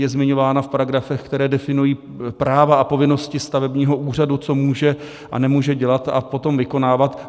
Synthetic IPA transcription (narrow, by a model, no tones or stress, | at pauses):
jɛzmɪɲo̞vaːnafpaɾaɡɾafɛxkt̪ɛɾɛːdɛfɪnujiː | pɾaːvaʔapo̞vɪno̞scɪst̪avɛbɲiːɦo̞ʔuːr̝adut͡so̞muːʒɛ | ʔa̰nɛmuːʒɛɟɛlat̪a̰po̞t̪omvɪko̞naːvat̪